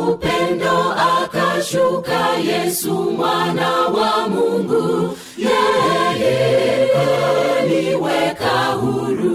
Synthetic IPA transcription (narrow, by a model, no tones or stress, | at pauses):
upen̩dɔakaʃokajesumanawamuŋ̩ɡu | jajaɦeniwekaɦuɾu